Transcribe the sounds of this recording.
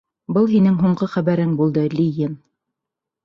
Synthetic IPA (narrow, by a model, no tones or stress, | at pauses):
bɤlˠɦinɘŋɦuɴɢɤχæβæɾɘŋbulˠd̪ɤlʲijɘn